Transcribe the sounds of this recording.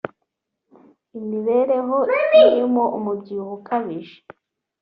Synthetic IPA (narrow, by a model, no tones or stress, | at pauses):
imiβe̞ɾe̞ɦoitoimoʔumubɟiuhukʰaβiʒe̥